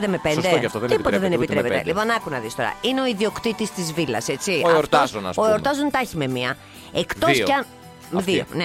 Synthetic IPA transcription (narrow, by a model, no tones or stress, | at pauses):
d̪emepend̪eft̪ot̪ipot̪ɐðenepit̪ɾepet̪ḛlipo̞nɐkunɐðist̪o̞ɾɐ̰ineo̞iðio̞kt̪it̪ist̪izvilɐ̰se̞t͡siɐeoɾt̪onɐ̰soeoɾt̪ɐzont̪ɐçime̞miɐ | ekt̪ossɐ | ðio̰ne